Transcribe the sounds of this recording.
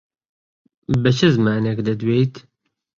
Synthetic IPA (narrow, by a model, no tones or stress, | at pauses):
bɛt͡ʃʰɨzmaːnekd̪ɐd̪weːjt̪